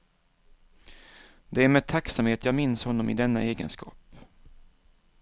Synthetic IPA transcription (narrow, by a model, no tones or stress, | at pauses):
d̪ɛæɾmɛːt̪ʰaksamheːt̪jɑːɡmɪnshɔnːɔmɪ̰d̪ɛnːa̰eːɡə̰nskɑ̰ːp